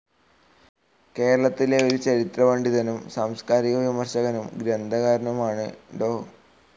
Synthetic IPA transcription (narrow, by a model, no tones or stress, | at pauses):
ke̞ːɾɐɭɐt̪ːileo̞ɾut͡ɕɐɾit̪rɐʋeɳɖiðɐnumsɐmskaːɾiɣɐʋimɐrɕɐɣɐnumɡɾɐnd̪ʱɐɣaːɾɐnɐmaːɳɨɖoː